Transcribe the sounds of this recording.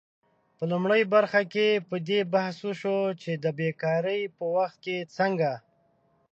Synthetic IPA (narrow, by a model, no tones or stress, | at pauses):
pəlumɽəjbaɾxakepəd̪ebahsuʃot͡ʃed̪əbekɑɾəjpəwaxt̪̚ket͡səŋɡa